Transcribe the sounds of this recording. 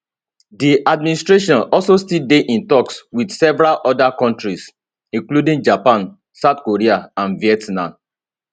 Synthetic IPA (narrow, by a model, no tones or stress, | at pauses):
diʔadmĩnistɹeʃɔ̃nɔlsostildeʔĩntɔkswidsɛvɹalʔɔdakɔ̃ntɹis | ĩŋkludĩŋd͡ʒapãn | saʊtkoɹiaãnviɛtnãm